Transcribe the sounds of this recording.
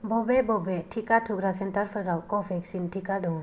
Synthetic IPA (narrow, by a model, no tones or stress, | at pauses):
bɔbɛbɔbɛtʰikatʰukɾasɛntaɾpʰɯɾawkɔfʰɛksintʰikadɔ